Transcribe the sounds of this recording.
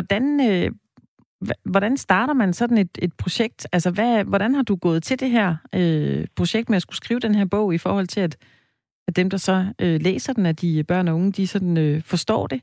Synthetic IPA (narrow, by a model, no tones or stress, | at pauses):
ɒd̥ænø | ʋɒɾ̥ænsd̥ɑ̈ːɾ̥ɐmænsɒ̽d̥n̩e̝d̥e̝d̥̚pʰʁo̝ɕeɡ̥̚d̥ælsɐʋæʋɒɾ̥ænhɑ̈d̥uɡ̥ɔ̰̽ːð̩ˠt͡sʰe̝d̥e̝ɦæɐ̰øpʰʁo̝ɕeɡ̥d̥meæsɡ̥usɡ̥ʁiːʊd̥enɦæɐ̰b̥ɔ̽ʊ̰ifɒ̰ːhɒ̽l̰t͡sʰe̝læd̥ | æ̥ːemd̥ɑ̈sɒ̽ølḛːsɐd̥en̩æd̥ib̥ɶɐ̰nɒo̽ŋəd̥isɒ̽d̥n̩øfɒ̽sd̥ɒ̰ːd̥e̝